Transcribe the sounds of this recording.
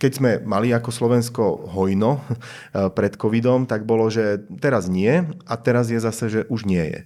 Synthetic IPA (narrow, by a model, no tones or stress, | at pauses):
kɛɟzmɛmaliakɔslɔʋɛnskɔɦɔjnɔ | pɾɛt̪kɔʋid̪ɔmt̪aɡbɔlɔʒɛt̪ɛɾazɲɪɛat̪ɛɾazjɛzasɛʒɛʔuʒɲɪɛjɛ̰